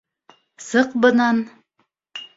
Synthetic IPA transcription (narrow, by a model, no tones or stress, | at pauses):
sɤqbɤ̆nɑn